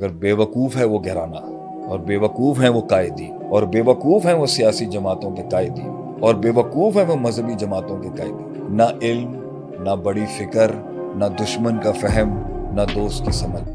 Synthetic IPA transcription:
ɐɡəɾbeːʋɐkuːfɦɛʋoɡʱɛːɾa̰ːna | ɔːɾbeːʋɐkuːfɦɛʋokaːɪd̪i | ɔːɾbeːʋɐkuːfɦɛʋosijaːsid͡ʒɐmaːt̪õkekaːɪd̪ḭ | ɔːɾbeːʋɐkuːfɦɛʋomɐzɦəbid͡ʒɐmaːt̪õkekaːɪd̪i | naʔɪlm | nabɐɽifɪkəɾ | nad̪ʊʃmənkafɛɦɛmnad̪oːst̪̚kisɐməd͡ʒ

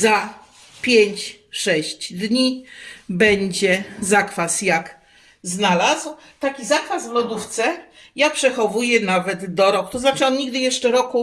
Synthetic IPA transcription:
za | pʲjeɲt͡ɕʂɛɕt͡ɕd̪ɲibɛɲd͡ʑɛzakfasjak | znalazw | t̪akʲizakfasvmɔd̪uft̪sɛ | japʂɛxɔvujɛnavɛd̪d̪ɔɾɔkt̪ɔznat͡ʂɘɔnɲiɡd̪ɘjɛʂt͡ʂɛɾɔku

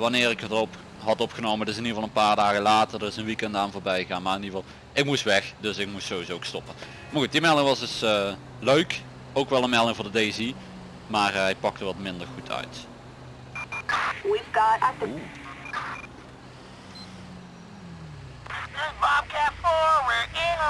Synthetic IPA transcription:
ʋɑnɪːɹɪkətərɔp | ɦɑtɔpχənowməntɪs̬ɪnivɑlˠənpaːɹdaːɣəlaːtərdərɪsənʋikɛndaːnvʊːɹbɛjəɣaːnmaːrɪnivɑlˠ | ɪk̚mustʋɛxdɵsɪk̚mustsoːizoʊkstɔpən | maːrɣut̚dimɛlˠdɪŋʋɑzdɵs | løɥk | owkʋɛlˠənmɛlˠdɪŋvʊːɹdədezi | maːrɛjpɑk̚təʋɑtmɪndərɣutʰœ̰ɥt | wivɡɑtaə | ɪbɑb̚kɛfɔɹwəɪ

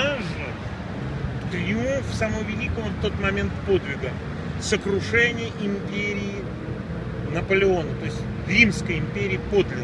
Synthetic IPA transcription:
aʐɨ | t̪ɾʲɪumfsaməvʲɪlʲikəmət̪o̞t̪mɐmʲe̞nt̪po̞d̪vʲɪɡə | səkɾʊʂɛnʲɪjəʔɪmʲpʲeɾʲɪː | nəpəlʲɪo̞nət̪o̞ɪsʲtʲ | rʲimskəjɪmʲpʲeɾʲɪːpo̞d̪lʲɪ

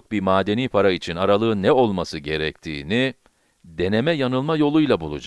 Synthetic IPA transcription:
k̚bimaːd̪e̞niːpʰaɾait͡ʃʰinaɾalˠɯːnːɛo̞lˠmasɯɟe̞ɾɛct̪ʰḭːni | d̪e̞ne̞mɛjanɯlˠmajo̞lˠujlˠabulˠṵd͡ʒa

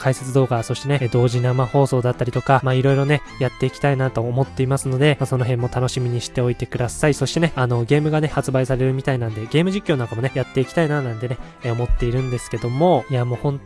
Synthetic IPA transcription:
kʰaise̞t͡sɨd̪o̞ːɡaso̞ɕi̥t̪e̞ne̞d̪o̞ːʑinamaho̞ːso̞ːd̪at̪ːaɾʲit̪o̞kamaːiɾo̞iɾo̞ne̞jat̪ːe̞ikʲi̥t̪ainat̪o̞ːmo̞t̪ːe̞imasɨno̞d̪e̞maso̞no̞ɦẽ̞mːo̞t̪ano̞ɕimʲiɲ̟iɕi̥t̪e̞o̞it̪e̞kɯ̟d̪asaiso̞ɕi̥t̪e̞ne̞ano̞ɡe̞ːmɯ̟ɡane̞hat͡sɨbaisaɾe̞ɾɯ̟mʲit̪ainãnd̪e̞ɡe̞ːmɯ̟ʑikʲːo̞ːnaŋkamo̞ne̞jat̪ːe̞ikʲi̥t̪ainanãnt̪e̞ne̞ | o̞mo̞t̪ːe̞iɾɯ̟̃nd̪e̞sɨ̥ke̞d̪o̞mo̞iamoːhõ̞n

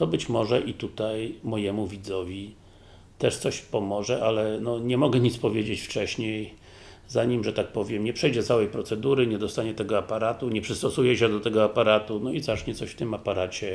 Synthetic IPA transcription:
t̪ɔbɘt͡ɕmɔʐɛʔit̪ut̪ajmɔjɛmuvʲid̪zɔvʲi | t̪ɛʂt̪sɔɕpɔmɔʐɛʔalɛnɔɲɛmɔɡɛɲit̪spɔvʲjed͡ʑet͡ɕft͡ʂɛɕɲej | zaɲimʐɛt̪ak̚pɔvʲjɛmɲɛpʂɛjd͡ʑɛt̪sawɛjpɾɔt̪sɛd̪uɾɘɲɛd̪ɔst̪aɲɛt̪ɛɡɔapaɾat̪uɲɛpʂɘst̪ɔsujɛɕɛd̪ɔt̪ɛɡɔapaɾat̪unɔizat͡ʂɲɛt̪sɔɕft̪ɘmapaɾat͡ɕɛ

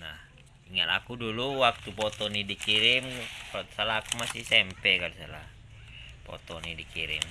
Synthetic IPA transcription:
nah | iŋat̪a̰kuduluwak̚t̪upɔt̪ɔnidikiɾimsalaːkumasisɛmpɛkalisalah | pɔ̰t̪ɔnidikiɾḭm

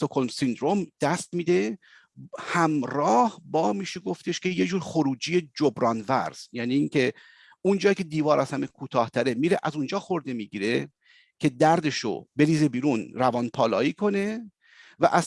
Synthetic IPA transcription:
t̪okʰolmsind̪ɾo̞md̪̥æst̪miːd̪e̞ | hæmɾɒːhbɒːmiːʃe̞ɡo̞ft̪ʰe̞ʃkʲʰejed͡ʒuːɾxoɾuːd͡ʒije̞d͡ʒobɾɒːnvæ̰ɾz̥jæːniːŋkʰe̞ | und͡ʒɒːjikʲʰe̞d̪iːvɒːɾʔæsæmekʰuːt̪ʰɒːht̪ʰæɾemiːɾe̞ʔæzund͡ʒɒːxo̞ɾd̪e̞miːɟiːɾe | cʰe̞d̪æɾd̪e̞ʃo̰be̞liːzebiːɾunɾævɒːnpʰɒːlɒ̰ːiːkʰo̞ne̞ | væ̰ʔæz

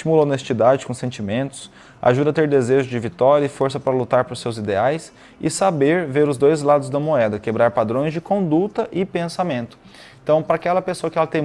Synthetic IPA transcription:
t͡ʃimulɐonest͡ʃid̪ad͡ʒɪkõsẽnt͡ʃimẽnt̪ʊ̥s | a̰ʒud̪ɐat̪eɾd̪ezeʒʊd͡ʒɪvit̪ɔɾjɐɪfoɾsɐpaɾɐlut̪aɾpɾʊsːewzid̪eajs | ɪsabeɾveɾʊzd̪ojzlad̪ʊzd̪ɐmoɛd̪ɐkebɾaɾpad̪ɾõj̃zd͡ʒɪkõd̪ut̪ɐʔɪpẽsamẽnt̪ʊ̥̃ | t̪ɐ̃w̃pɾɐakɛlɐpesoɐkɪɛlɐt̪ẽj̃

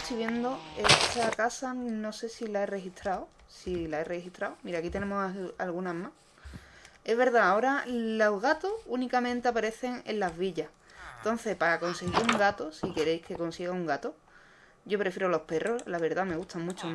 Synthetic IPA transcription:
t̪iβje̞nd̪o̞e̞t̪ʰakasano̞se̞silae̞re̞hit̪ɾaw | silaere̞hiht̪ɾawmiɾakit̪e̞nemoha̰lɣunama | e̞zβe̞ɾðaːo̞ɾaloɦɣat̪ounikamẽnt̪e̞apaɾe̞θe̞ŋḛllazβiʎah | nt̪o̞n̟θehpaako̞nse̞ɣiɾuŋɡat̪osike̞ɾe̞jhke̞ko̞nsiɣauŋɡat̪o | ɟ͡ʝo̞pɾe̞fjeɾoalo̞hpe̞ro̞zlaβ̞e̞ɾðame̞ɣuht̪ʰamũt͡ʃo

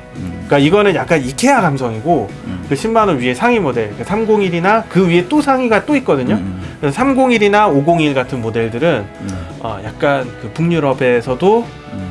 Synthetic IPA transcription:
k͈aiɡʌnɯnjak̚k͈anikʰe̞jaɡamsʰʌŋiɡo | kɯɯɕʰimmanɯnɥie̞sʰaŋimode̞ɭk͈asʰamɡoŋiɾinakɯɥie̞t͈osʰaŋiɡat͈oit̚k͈ʌdɯɲokɾesʰʌsʰamɡoŋiɾinaoɡoŋiɭɡatʰɯnmode̞ɭdɯɾɯn | ʌ̰jak̚k͈ankɯpuŋɲuɾʌbe̞sʰʌdo

